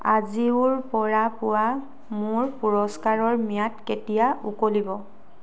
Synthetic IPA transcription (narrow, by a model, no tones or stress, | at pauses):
aziʊɹpɔɹapʊwa | mʊɹpuɹɔskaɹɔɹmijatketijaukolibɔ